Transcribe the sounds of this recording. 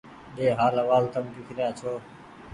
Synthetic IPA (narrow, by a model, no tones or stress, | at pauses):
ɗeːɦaːləʋaːlt̪əmkikʰɾjaːt͡ʃʰoː